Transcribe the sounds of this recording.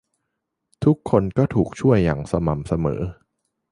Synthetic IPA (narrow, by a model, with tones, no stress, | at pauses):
t̪ʰu˦˥kʰːo˧nkɔː˥˩t̪ʰuː˨˩k̚t͡ɕʰu˥˩əjːa̰˨˩ŋsa˧ma˨˩msa˧mɤ̰ː˩˦